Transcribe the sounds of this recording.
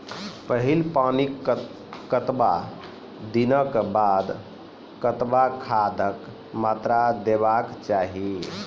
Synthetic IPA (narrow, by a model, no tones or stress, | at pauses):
pəɦilpanik | kːət̪ba | d̪inəkbad̪ | kət̪bakʰad̪ʱək | mat̪ɾad̪ebakt͡ʃaɦi